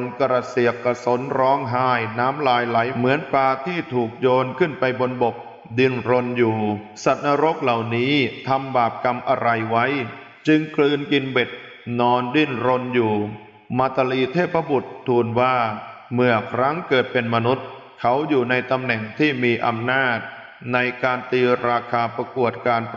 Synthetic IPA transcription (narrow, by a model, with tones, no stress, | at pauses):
nka˧ɾa˧˩si˨˩əkːa˧˩so˩˦nɾɔː˦˥ŋɦaː˥˩jnaː˦˥mlaː˧jla˩˦jmɯ˩˦ənplaː˧t̪ʰiː˥˩t̪ʰuː˨˩k̚joː˧nkʰɯ˥˩npa˧jbo˧nbo˨˩k̚ | di˧nɾo˧njuː˨˩ | sa˨˩t̪̚naː˧ɾo˦˥k̚la˨˩wniː˦˥t̪ʰa˧mbaː˨˩p̚ka˧mʔa˧ɾa˧jwa˦˥j | t͡ɕɯ˧ŋklɯː˧nki˧nbe˨˩t̪̚ | nɔː˧ndi˧˩nɾo˧njuː˨˩ | maː˧t̪a˧liː˧t̪ʰeː˥˩pʰːɾa˧˥bu˨˩t̪ʰːuː˧nwaː˥˩mɯ˧˩ɐəkʰɾa˦˥ŋkɤː˨˩t̪̚pe˧nma˧nu˦˥t̪̚ | kʰa˦˥wjuː˨˩na˧jt̪a˧mnɛ˨˩ŋt̪ʰiː˥˩miː˧ʔa˧mnaː˥˩t̪̚ | na˧jkaː˧nt̪iː˧ɾaː˧kʰaː˧pɾa˧ku˨˩ət̪̚kaː˧n